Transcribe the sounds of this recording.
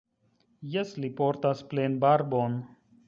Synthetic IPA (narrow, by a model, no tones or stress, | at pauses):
jɛslipoːɾt̪aspleːnbaːɾbon